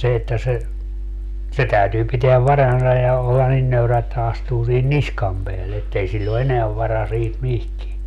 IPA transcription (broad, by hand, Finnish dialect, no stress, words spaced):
se etːæ se se tæytyː piteæʋ ʋɑrɑnsɑ jɑ olːɑ nin nøyræ etːæ ɑstuː sihin niskɑm peælːe etːei silʲl o eneæʋ ʋɑrɑ siːt mihkie